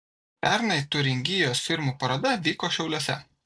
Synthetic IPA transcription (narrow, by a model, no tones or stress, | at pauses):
pʲæˑɾnɐɪt̪ʊɾʲɪŋʲɡʲɪjoːsfʲɪɾmuːˑpɐɾɐd̪ɐʋʲiːkoːʃʲɛʊlʲuɔːsʲɛ̰